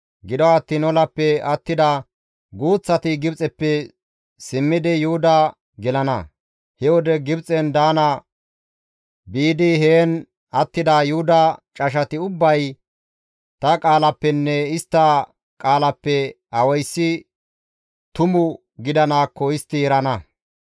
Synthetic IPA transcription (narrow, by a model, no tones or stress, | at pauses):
ɡɪd̪ɔɐt̪ːiːnɔlɐpːɛɐt̪ːɪd̪ɐ | ɡuːt͡sːɐt̪ɪɡɪbt͡sʼɛpːɛ | sɪmːɪd̪ɪjʊhʊd̪ɐ | ɡɛlɐnɐ | hɛwɔd̪ɛɡɪbt͡sʼɛnd̪aːnɐ | biːd̪ɪheːn | ɐt̪ːɪd̪ɐjʊhʊd̪ɐt͡ʃʼɐʃ̬ɐt̪ɪʊbːɐj | t̪ɐkʼaːlɐpːɛnːɛɪst̪ːɐ | kʼaːlɐpːɛ | ɐwɐjsːɪ | t̪ʊmʊ | ɡɪd̪ɐnaːkːɔɪst̪ːɪɛɾɐnɐ